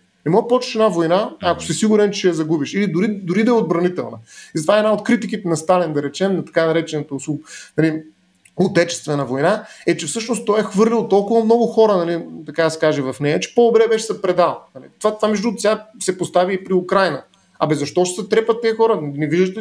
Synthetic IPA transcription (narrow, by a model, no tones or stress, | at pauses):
nɛmɔpɔt͡ʃə̥ʃɛnavojnaːko̥sisiɡʊɾɛnt͡ʃɛʃɛjɐzɐɡubiʃilid̪ʊɾid̪ʊɾid̪ɐɛod̪̚bɾɐnit̪ɛlˠnɐizt̪vaɛnaot̪kɾit̪ik̬it̪ɛnɐst̪alind̪ɐɾɛt͡ʃɛmnɐt̪ɐ̥kanɐɾɛt͡ʃɛnɐt̪ɐsunɐli | ot̪ɛt͡ʃɛ̥st̪vɛnɐvojnaɛt͡ʃɛfsɤʃnost̪ɔjɛxvɤɾlʲilˠt̪ɔlˠkʊvɐmnɔɡʊxɔɾənɐlit̪ɐkad̪ɐsɛ̥kaʒɛvɐfnɛjɐt͡ʃɛ̥pod̪obɾɛbɛʃzɐpɾɛd̪alˠnɐlḭt̪vat̪vamɛʒd̪ut̪sʲasɛpost̪aviipɾiʊkɾajnə | ɐ̰bɛzɐʃt̪ɔʃsɛt̪ɾɛpət̪ːɛɛxɔɾəniviʒd̪ət̪ɛ